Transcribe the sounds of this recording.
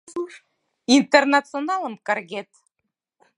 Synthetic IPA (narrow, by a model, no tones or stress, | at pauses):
int̪ernat̪t͡sɨonɑlˠəmkɑrɣʲet̪